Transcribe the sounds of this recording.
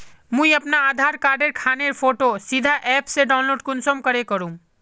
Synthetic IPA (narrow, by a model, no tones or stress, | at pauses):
mũiɐpnaaːd̪ʱaɾkaːɾɖeɾkʰaːneɾpʰoːʈosid̪ʱaʔɛːpseɖaːʊnloːɖkʊnsomkəɾekəɾũ